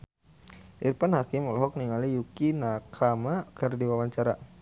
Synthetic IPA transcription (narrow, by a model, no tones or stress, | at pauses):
ʔirpanhakimɔlɔɦɔk̚niŋalijukinakamakɛrdiwawaɲt͡ʃaɾa